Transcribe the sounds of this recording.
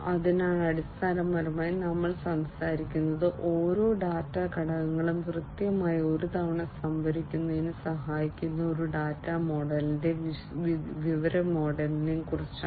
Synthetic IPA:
ɐðinaːɳɐɽist̪ʰaːnɐmːɐɾɐmaːjinɐmːɐɭsɐmsaːɾikʲːunːɐðɨʔo̞ːɾo̞ːɖaːtːaːkɐɽɐɣɐŋːɐɭumkrɨt̪jɐmaːjio̞ɾut̪ʰɐʋɐɳɐsɐmbʱɐɾikʲːunːɐðinɨsɐɦaːjikʲːunːɐo̞ɾuɖaːtːaːmo̞ːɖɐlinde̞ʋ | ʋiʋɐɾɐmo̞ːɖɐlinimkurit͡ɕː

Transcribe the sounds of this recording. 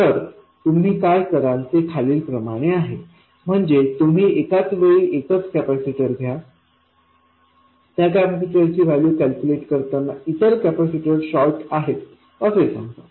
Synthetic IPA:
t̪əɾ | t̪um̤iːkajt̪əɾãnt͡sekʰaliːlpɾəmaɽ̃eaɦe | m̤əɳd͡zet̪um̤iːekat͡sʋeɭiek̪ət͡skæpæsiʈəɾɡʱja | t̪jakæpasiʈəɾt͡ɕiːʋaljuːkælkʲjuleʈkəɾt̪anait̪əɾkæpæsiʈəɾɕɔlʈaɦet̪ | əsesã̰ŋɡt̪a

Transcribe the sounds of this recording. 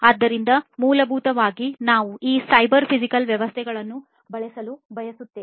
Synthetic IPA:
aːd̪ːɐɾind̪ɐmuːlɐbʱuːt̪ɐʋaːɡinaːʋuiːsɐjbɐɾpʰid͡ʒikɐlʋjɛʋɐst̪ʰɛɡɐɭɐnːu | bɐɭɛsɐlubʱɐjɐsut̪ːeː

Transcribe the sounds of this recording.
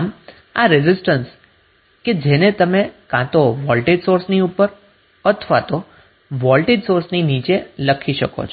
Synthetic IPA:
m | a̰ɾɪzɪsʈəns | ked͡ʒenet̪əmekãt̪oʋɔlʈeɖsoɾsniupəɾ | ət̪ʰʋat̪o | ʋɔlʈiɖsoɾsninit͡ʃeləkʰiʃəko̰t͡ʃʰ

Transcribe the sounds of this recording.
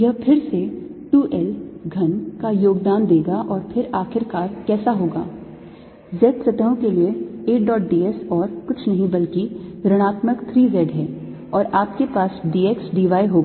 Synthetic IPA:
jɐɦpʰɪɾseʈuːʔɛlɡʱɐnkajoːɡd̪aːnd̪eːɡaʔɔːɾpʰɪɾaːxɪɾkaːɾkɛːsaɦoːɡa̰ː | zɛːɖsɐt̪aːõkelieeːʈɖɔːʈ̚ɖiːɛsɔːɾkʊt͡ʃʰnɐɦĩbɐlkiɾɐɽ̃aːt̪məkt̪ʰɾiːzɛːɖɦɛː | ɔːɾaːp̚kepaːsɖiːeːksɖiʋaːjɦoːɡa

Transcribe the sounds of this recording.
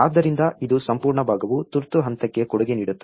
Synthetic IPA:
aːd̪ːɐɾind̪ɐid̪usɐmpuːɾɳɐbʱaːɡɐʋut̪uɾt̪uɦɐnt̪ɐkːe̞kɔɽuɡeniːɽut̪ːɐ

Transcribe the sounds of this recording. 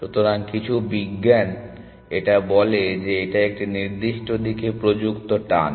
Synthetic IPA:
ʃut̪oɾankit͡ɕʰubiɡːɛn | eʈabɔled͡ʑeeʈaek̚ʈiniɾd̪iʃʈod̪ikepɾod͡ʑukt̪oʈa̰n

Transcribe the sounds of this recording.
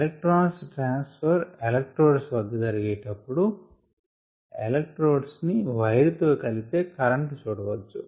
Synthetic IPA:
elek̚ʈɾaːnsʈɾaːnspʰɐɾelɐk̚ʈɾoːɖsʋɐd̪ːɐd͡ʒɐɾiɡeːʈɐpːuɽu | ḛlek̚ʈɾoːɖsniʋɐjɾut̪oːkɐlit̪e̞ːkɐɾɐɳʈut͡ʃuːɽɐʋɐt͡ʃːu

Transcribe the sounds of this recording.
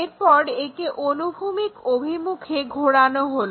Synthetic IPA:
eɾpɔɾekeʔonubʱumikobʱimukʰeɡʱoɽanoɦolo

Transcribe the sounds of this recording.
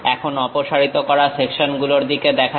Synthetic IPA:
ɛkʰonɔpoʃaɾit̪okɔɾasekʃonɡuloɾd̪iked̪ɛkʰa

